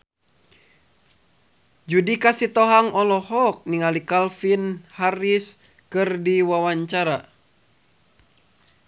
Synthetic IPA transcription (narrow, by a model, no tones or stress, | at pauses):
d͡ʒudikasit̪ɔɦaŋɔlɔhɔk̚niŋalikalfinhaɾis | kɨrdiwawaɲt͡ʃaɾa